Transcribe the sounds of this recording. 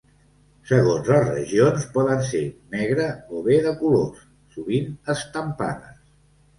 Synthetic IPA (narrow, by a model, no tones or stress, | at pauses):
səɣonzləzrə̰ʒionspɔðənsenɛɣɾəoβeðəkulosːuβinəst̪əmpa̰nə̰s